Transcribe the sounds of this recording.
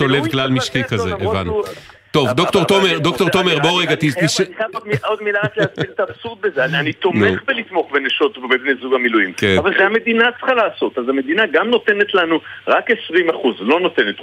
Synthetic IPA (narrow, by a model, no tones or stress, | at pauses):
solevɡlalmiʃkikazeeva̰nu | t̪o̞vd̪ok̚t̪o̞ʁt̪omeʁd̪o̞kt̪o̞ʁt̪o̞meʁbo̞ʁeɡat̪itiʃaod̪miod̪milaʁakleasbilt̪aːbsuʁd̪̚bezeanianit̪o̞mneχbelit̪mo̞χbeneʃo̞t̪bbebnezuɡamilujimkeavalʃeamed̪inat͡sχalaːso̞t̪azame̞d̪inaɡamno̞t̪e̞ne̞t̪lanuʁake̞sʁimaχuzlo̞no̞t̪e̞net̪